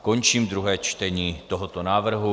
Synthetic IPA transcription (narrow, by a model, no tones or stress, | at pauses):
ko̞nt͡ʃiːmd̪ɾuɦɛːt͡ʃt̪ɛɲiːt̪o̞ɦot̪onaːvr̩ɦu